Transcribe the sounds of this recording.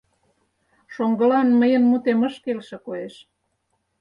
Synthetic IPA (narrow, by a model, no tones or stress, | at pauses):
ʃoŋɡə̆lɑnməjə̆nmut̪emə̆ʃkelʃĕkoeʃ